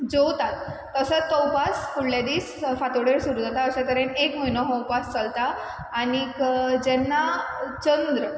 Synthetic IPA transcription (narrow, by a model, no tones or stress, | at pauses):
d͡zowt̪at̪ː | əsət̪ːɔwpasfuɽljad̪iːsfat̪ɽeɾsuɾud͡zat̪aəɕakəɾenekməjnɔɦɔwpast͡səlt̪aː | ɽ̃ikd͡ʑɛnːat͡ɕənd̪ɾə